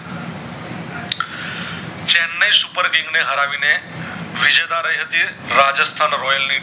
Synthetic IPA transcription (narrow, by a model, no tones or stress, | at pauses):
t͡ʃɛnːəjsupəɾɡɪ̃ŋɡneɦəɾaʋine | ʋɪd͡ʒəjd̪aɾəjɦət̪iɾad͡ʒəst̪ʰanɾɔjəlni